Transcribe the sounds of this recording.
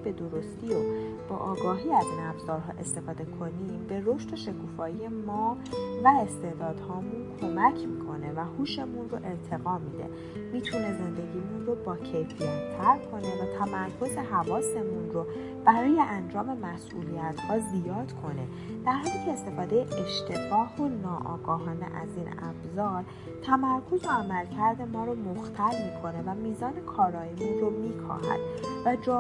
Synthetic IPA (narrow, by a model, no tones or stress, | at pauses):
b̥e̞d̪o̞ɾo̞st̪io | b̥ɒːʔɒːɡɒːɦiːæziːnæbz̥ɒːɾɦɒ̰ːʔe̞st̪e̞fɒːd̪e̞kʰo̞nimbe̞ɾo̞ʃt̪o̞ʃe̞kʰuːfɒːije̞mɒːvæe̞st̪e̞d̪ɒːd̪̥hɒːmunkʰo̞mæcʰmiːkʰo̞ne̞væhuːʃe̞munro̞ʔe̞ɾt̪ʰe̞ɣɒːmid̪ḛ | miːt̪ʰune̞ze̞nd̪e̞ɟiːmunro̞bɒːcʰe̞jfijɒnt̪ʰæɾkʰo̞ne̞væt̪ʰæmæɾkʰo̞ze̞ɦævɒːse̞munro | b̥æɾɒːje̞ʔænd͡ʒɒːme̞mæsʔṵːlijæt̪hɒːzzijɒːd̪̥kʰo̞ne̞̰ | d̪̥æɾɦɒːliːcʰe̞ːst̪e̞fɒːd̪e̞jeʔeʃt̪e̞ɡɒːhonɒːʔɒ̰ːɡɒːɦɒːnḛʔæ̰ziːnæ̰bzɒːɾ | t̪ʰæmæɾkʰo̞zo̞æmælcʰæɾd̪e̞mɒːɾomoxt̪ʰælmiːkʰo̞ne̞væmiːzɒːne̞kʰɒːɾɒːjemunromiːkʰɒ̰ːɦæ̰d̪̥væd͡ʒ